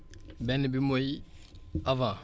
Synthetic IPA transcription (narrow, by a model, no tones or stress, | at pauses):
bɛnbimoj | avã